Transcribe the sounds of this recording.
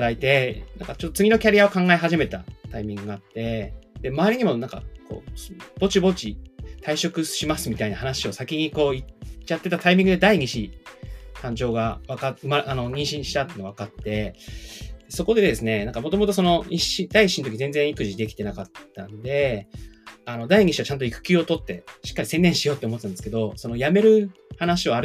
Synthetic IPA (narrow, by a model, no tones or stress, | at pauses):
ait̪e̞nãŋkat͡ɕo̞t̪ːot͡sɨɡʲino̞kʲaɾʲijao̞kãŋɡaeɦaʑime̞t̪at̪aimʲĩŋɡɯɡaat̪ːe̞d̪̥e̞maːɾʲiɲ̟imo̞nãŋka̰ko̰ːsb̥o̞t͡ɕibo̞t͡ɕit̪ʰaiɕo̞kɯ̟ɕimasɨmʲit̪ainahanaɕio̞sakʲiɲ̟iko̞ːit͡ɕat̪ːe̞t̪at̪aimʲĩŋɡɯd̪e̞d̪aiɲiɕi | t̪ãɲ̟d͡ʑo̞ːɡaβakaɯmaʔano̞ɲ̟ĩɰ̃ɕĩɕi̥t̪at̪ːenɡaβakat̪ːe̞ | d̪eso̞ko̞d̪e̞d̪e̞sɨne̞nãŋkamo̞t̪omo̞t̪o̞so̞no̞ɲiɕid̪aiɕint̪o̞kʲizẽnd͡zẽɰ̃ikɯ̟ʑid̪e̞kʲi̥t̪e̞nakat̪ːãnd̪e̞ | ano̞d̪aiɲ̟iɕiβat͡ɕãnt̪oikɯ̟̥kʲɨːo̞t̪o̞t̪ːe̞ɕi̥kːaɾʲise̞nːẽ̞ɕijo̞ːt̪ːeomo̞t̪ːãnesɨ̥ke̞d̪o̞so̞no̞jame̞ɾɯ̟ | hanaɕio̞aɾ